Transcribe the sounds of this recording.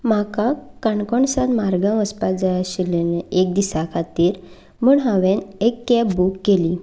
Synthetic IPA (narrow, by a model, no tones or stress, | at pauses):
m̤akakaɳkɔɳsãnmaɾɡãməspad͡zajaɕilːeneʔek̚d̪isakʰat̪iːɾ | muːɳɦãʋẽnekːɛbukːeli